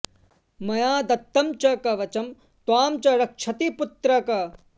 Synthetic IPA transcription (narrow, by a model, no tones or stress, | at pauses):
mɐjaːd̪ɐt̪ːɐmt͡ʃɐkɐʋɐt͡ʃɐm | t̪waːmt͡ʃɐɾɐkʂʰɐt̪iput̪ɾɐkɐ